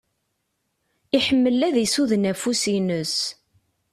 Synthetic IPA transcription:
iħəmːəlːæðjsuðnæfusinəs

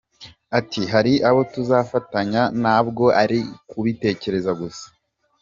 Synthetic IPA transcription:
atiɦaɾiʔaβo̞tuzaːfataɲanaːbɡo̞ʔaɾikuβite̞ːce̞ɾe̞zaɡusḁ

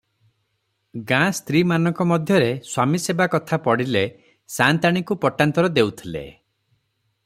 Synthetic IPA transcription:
ɡãst̪ɾimanɔŋkɔmɔd̪ʱjɔɾeswamisebakɔt̪ʰapɔɽile | sant̪aɽ̃ikupɔʈant̪ɔɾɔd̪ewt̪ʰilḛ

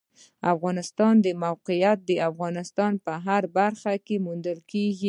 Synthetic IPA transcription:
afɣɑnɪst̪ɑnd̪əmawqɪjat̪̚d̪əafɣɑnɪst̪ɑnpəɦaɾbaɾxakemund̪əlkeɡi

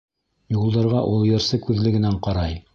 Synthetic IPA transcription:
julˠd̪ɑɾʁɑʔulˠjɤ̆ɾsɤkʉðlɘ̆ɡɘ̆næɴqɑɾɑj

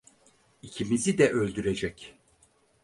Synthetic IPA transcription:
icʰimizid̪ɛʔølʲd̪yɾed͡ʒɛc

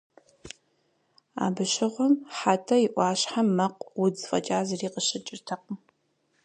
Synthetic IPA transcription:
a̰ːbɨʃɪʁʷɔmħaːtʰɐiʔʷɑːɕħamːɐqʼwʊd͡zfʼɐ̰t͡ʃʼaːzɨriːqʼəɕɪt͡ʃʼɪrtʰɐq̚m

